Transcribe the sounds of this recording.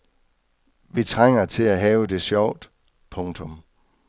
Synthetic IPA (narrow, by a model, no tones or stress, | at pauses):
ʋit͡sʰʁaŋ̰ɐt͡sʰe̝læɦɛːʊəd̥e̝ɕjɒʊ̰d̥ | pʰɔ̽ŋt͡sʰɔ̽m